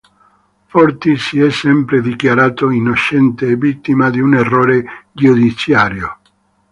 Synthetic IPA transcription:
fɔɾt̪isiɛsːɛmpɾed̪ikjaɾaːt̪oinot͡ʃɛnt̪eːvit̪ːimad̪iuneroːɾed͡ʒud̪isjaɾjo

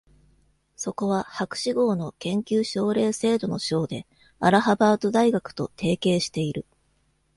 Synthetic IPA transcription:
so̞ko̞βahakɯ̟̥ɕiɡo̞ːno̞kẽ̞ŋkʲɨːɕo̞ːɾe̞ːse̞ːd̪o̞no̞ɕo̞ːd̪e̞ | aɾaɦabaːt̪o̞d̪aiɡakɯ̟̥t̪o̞t̪ʰe̞ːke̞ːɕi̥t̪e̞iɾɯ̟

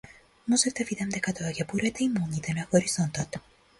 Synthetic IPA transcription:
mɔzɛvd̪ɐvid̪ɛmd̪ɛkat̪ovakʲɛbuɾɛt̪ɛimɔlˠɲit̪ɛnaxɔɾiz̥ɔnt̪ɔt̪

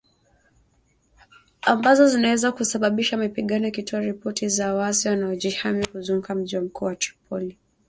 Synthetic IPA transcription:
ambazɔzinawɛzakusaɓaɓiʃamipiɠanɔkitʰɔaɾipɔtizawasiwanaɔʄihamikuzuŋukam̩ʄiwam̩kʰuːwati̥pʰɔli

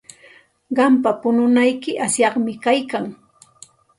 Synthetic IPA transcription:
ɢɑmpapʊnʊnajkɪʔasjɑχmɪkajkaŋ

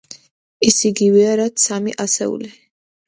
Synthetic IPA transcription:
isiɡivɛaɾat̪samiʔasɛ̰ṵli

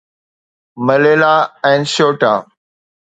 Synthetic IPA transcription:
məleːlaːɛ̃ːnʃoːʈa̰ː

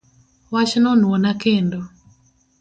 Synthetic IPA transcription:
wat͡ʃnɔnwɔnakendo

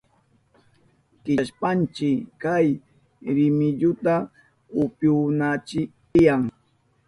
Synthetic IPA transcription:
kɪʃpant͡ʃɪkaj | ɾɪmɪʎʊt̪a | ʊpjʊnat͡ʃɪt̪ɪjaŋ

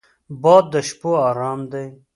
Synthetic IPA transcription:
bɑːd̪ːəʃpoɑːɾɑːmd̪aj

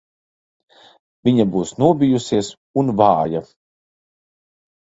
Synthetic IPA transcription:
vʲiɲabuːsnuɔbʲijusiɛs | unvaːja

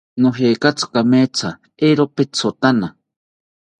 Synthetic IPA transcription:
noɦeːkat͡sʰkamet͡sʰa | eɾopet͡sʰot̪ana

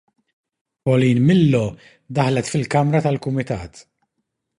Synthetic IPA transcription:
pɔliːnmɪlːɔ | d̪ɐħlɛt̪fɪlkɐmɾɐt̪ɐlkʊmɪt̪ɐ̰ːt̪

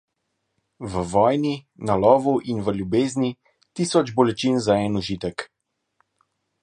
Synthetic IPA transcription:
ʋəʋɔːjninalɔːʋuʔinʋəlʲjubeːzni | t̪iːsɔd͡ʒbɔlɛt͡ʃinzaɛnuʒit̪ək

